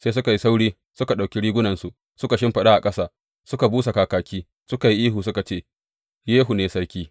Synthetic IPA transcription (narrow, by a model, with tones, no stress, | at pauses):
seː˦sʊ˦ka˨ji˦sa˦wɽiː˦ | sʊ˦ka˨ɗa˨kʲi˦ɽiː˦ɡʷʊ˦nɐ˨nsu˨ | sʊ˦ka˨ʃɪ˦mɸɐ˨ɗa˦ʔa˨kʼɐ˦saː˦˨ | sʊ˦ka˨buː˦sa˨kaː˨kaː˨kʲiː˦ | sʊ˦ka˨ji˦ʔiː˦ɦuː˨sʊ˦ka˨t͡ʃeː˦ | jeː˦ɦu˨neː˨sɐ˦ɽkʲiː˦